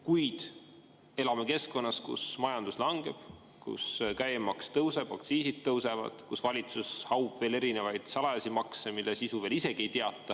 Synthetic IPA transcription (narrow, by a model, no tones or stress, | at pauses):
kujd̪̥ | e̞lɑme̞ke̞sko̞nːɑskṵsmɑjɑnd̪uslɑŋɡe̞b̥ | kṵskæjmɑkst̪ɤwse̞b̥ɑkt̪siːsid̪̥̚t̪ːɤwse̞vɑ̰d̪̥kusvɑlʲit̪sushɑwb̥ve̞ːle̞ɾine̞vɑjd̪̥sɑlɑɑsimɑksemilːesisuve̞ːlise̞ɡ̥ie̞jt̪eɑt̪ːˑɑ